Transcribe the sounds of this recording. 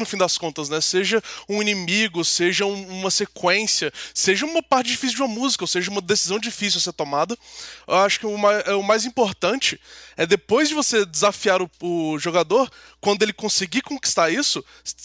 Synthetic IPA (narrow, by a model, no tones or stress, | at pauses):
nʊfĩd̪ɐskõnt̪ɐznɛseʒɐũinĩmiɡʊseʒɐũũmɐsekwẽsiɐseʒɐũmɐpaɾt͡ʃɪd͡ʒifis̬uwd͡ʒɪũmɐmuzikɐoseʒɐũmɐd̪esizɐ̃w̃d͡ʒifis̬iwseɾt̪omad̪ɐewaʃʊ̥kɪʊmaɛʊmajzĩpoɾt̪ɐ̃nt͡ʃɪɛd̪epojzd͡ʒɪvosed͡ʒɪzafiaɾʊʊʒoɡad̪oɾ | kwɐ̃nd̪ʊelɪkõsɪɡikõki̥st̪aɾisʊ